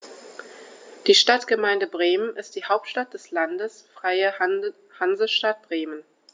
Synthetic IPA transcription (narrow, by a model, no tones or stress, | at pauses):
d̥iːʃtatɡ̥əmaɪndəbʁeːmənʔɪst̚d̥iːhaʊp̚tʃtat̚d̥ɛslandəsfʁ̥aɪə | hanzəʃtat̚b̥ʁeːmən